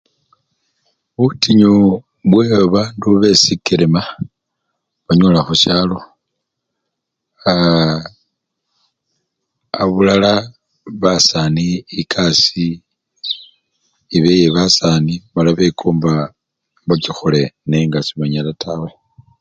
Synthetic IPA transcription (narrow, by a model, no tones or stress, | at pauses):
βutiɲo | βweβaːnduβe̞sikiɾema | βaɲoːlaxuʃaːlo | a | aβulala | βasaniːkʰasi | βejeβasanimalaβekʰoːmba | mbakixoleneŋɡasiβaɲalatʰawe